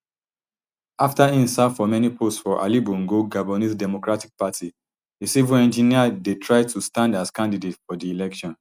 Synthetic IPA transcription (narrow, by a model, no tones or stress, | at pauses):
aftaĩnsafɔmɛnipʰostsfɔʔa̰libɔ̃ŋɡoɡabɔnisdɛmokɹatik̚patʰi | disiviɛ̃nd͡ʒiniadetʰɹaɪd̚tʰustãndaskãndidetfɔdiilɛkʃɔ̃n